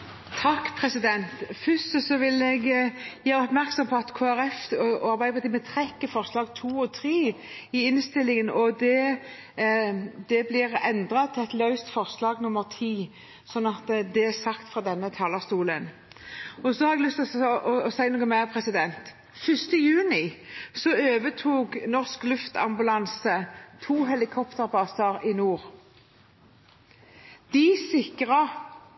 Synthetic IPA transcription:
t̪ʰɑkːpʰɾɛsɪd̪ɛnt̪fʏst̪əsɔʋɪlɛɡjæːɾəɔpmæɾksɔmpʰɔɑt̪kʰoːæɾɛfɔɑɾbæɪpɑt̪iːmət̪ʰɾɛkːəfɔʁslɑːɡt̪ʰuːɔt̪ʰɾeː | ɪɪnst̪ɪlːɪŋənɔd̪ɛ | d̪ɛblɪɾɛnd̪ɾɑt̪ʰɪɛt̪lœʉst̪fɔɾslɑːɡnʊmːəɾt̪ʰiː | sɔnːɑt̪d̪ɛæsɑkt̪fʁɑd̪ɛnːət̪ʰɑːlɑʁst̪uːlən | ɔsɔhɑɾɛɡlʏst̪ʔɔɔsæɪnoːɡəmæpʰʁɛsɪd̪ɛnt̪ | fʏst̪əjʉːnɪsɔøːʋət̪ʰuːɡnɔʁsklʉft̪ɑ̰mbʉlɑnsət̪ʰuːɦɛlɪkʰɔpt̪əʁbɑːsɑɾɪnuːʁ | d̪̥ɪsɪkʁɑ

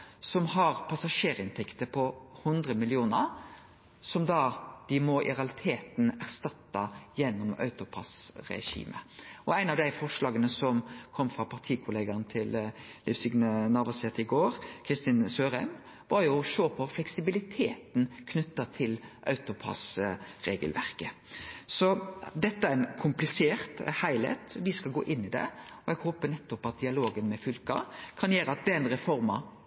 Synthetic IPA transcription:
sɔmɦɑɾpʰɑsɑʂeːɾɪnt̪ʰɛkt̪əpʰɔhʊnd̪ɾəmɪlɪuːnəɾ | sɔmd̪ɑd̪̥ɪmɔʔɪ̰ɾɑlɪt̪ʰeːt̪næʁst̪ɑt̪ːɑjɛnːʊmœ̰ʉt̪ʊpʰɑ̰sɾɛ̰ɕḭːmə̰ʔɔæɪnɑʋd̪æɪfɔʁʂlɑːɡənəsɔmkʰɔmːfɾɑpʰɑʁt̪ʰiːkʰʊleːɡɑnt̪ʰɪllʔɪfsɪɡnənɑːʋɑsɛt̪ɪɡoːɾkʰɾɪst̪ɪnsøːɾɛm | ʋɑɾjʊɔʃoːpʰɔflɛksɪbɪlɪt̪ʰeːt̪n̩kʰnʉt̪ːɑt̪ʰɪlʔɑ̰ʉt̪ʊpʰɑ̰sɾeːɡəlʋæ̰ɾkəsɔd̪ɛt̪ːəæɾɛnkʰʊmplɪseːʁt̪hæɪlæ̰ɪt̪ʋɪskɑlɡoːʔɪnːɪd̪ɛ̰ɔɛɡhoːpənɛt̪ːɔpɑt̪̚d̪ɪɑloːɡənmɛfʏlkɑ̰kʰɑnjeːɾəɑt̪̚d̪ɛnɾɛfɔɾmɑ

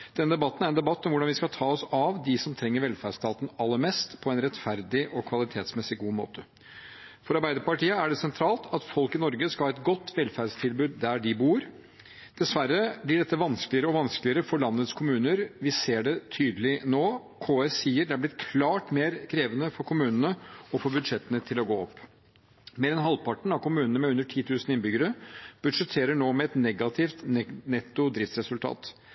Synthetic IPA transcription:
d̪̥ɛnːəd̪ɛbɑt̪ːn̩æɾɛnd̪ɛbɑt̪ːɔmʋʊɖɑnʋɪskɑlt̪ʰɑːɔsɑʋd̪ɪsɔmt̪ʰɾɛŋːəɾʋɛlfæɖst̪ʰɑːt̪n̩ɑlːəɾmɛst̪pʰɔɛnɾɛt̪fæɾd̪ɪʔɔkʰʋɑlɪt̪ʰeːt̪smɛsɪɡuːmo̰ːt̪ʰə | fɔɾɑɾbæɪd̪əɾpɑʈiːəæɖɛsɛnt̪ʰɾɑːlˠt̪ʰɑt̪fɔlkɪnɔɾɡəskɑhɑːɛt̪̚ɡɔt̪ːʋɛlfæɖst̪ʰɪlbʉːd̪d̪æɖɪbuːɾ | d̪̥ɛsʋæɾːəblɪɖɛt̪ːəʋɑnskəlɪəɾəɔʋɑnsklɪəɾəfɔɾɭɑnːət̪skʰʊmʉːnəɾʋɪseːɖɛt̪ʰyːd̪lɪnoː | kʰoːɛsiːəɖ̪ɛæblɪt̪̚kʰlɑːʈmeːɾkʰɾeːʋənəfɔɾkʰʊmʉːnənəɔfɔɾbʉd̪ʂɛt̪ːənət̪ʰɪlɔɡoːɔpː | meːɾɛnɦɑlpʰɑʈɳ̩ɑʋkʰʊmʉːnənəmɛʉnd̪əʈʰiːt̪ʰʉːsn̩ɪnbʏɡəɾəb̥ʉd̪ʂɛt̪ʰeːɾəɳoːmɛɛt̪nɛɡɑt̪ʰɪft̪nɛnɛt̪ːʊd̪ɾɪft̪sɾɛsʉlt̪ʰɑ̰ːt̪

